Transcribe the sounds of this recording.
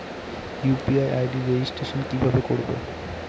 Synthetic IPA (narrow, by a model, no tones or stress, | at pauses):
jupiajʔajɖiɾeisʈeʃonkibʱabekoɽbo̰